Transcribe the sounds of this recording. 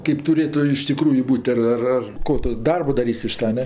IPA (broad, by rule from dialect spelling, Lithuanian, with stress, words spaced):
kʲɛɪp tʊˈrʲeːtʊ ɪʃ tʲɪˈkruːjʊ ˈbuːtʲ ɐr ˈɐr ˈɐr ˈkoː tʊ ˈdɐrboː dɐˈrʲiːsʲ ɪʃ ˈtɐ ɐ ˈnʲɛ